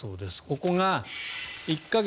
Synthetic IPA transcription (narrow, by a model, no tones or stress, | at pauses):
o̞̰ːd̪e̞sɨ̥ko̞ko̞ŋa | ikːaɡ